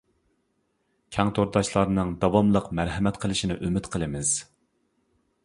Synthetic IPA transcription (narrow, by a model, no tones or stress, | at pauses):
kʲʰɛŋt̪ʰoɾd̪ɑʃlˠɑɾnɨŋd̪ɑwɑmlˠəqmæɾɦɛmɛt̪qʰəlˠɨʃinɪʔymɪt̪qʰəlˠɨmɪz̥